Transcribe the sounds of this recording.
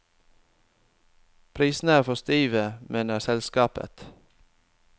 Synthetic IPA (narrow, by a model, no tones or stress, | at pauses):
pʰɾiːsn̩æːɾfɔst̪iːʋəmʔeːnəsɛlskɑːpə̰t̪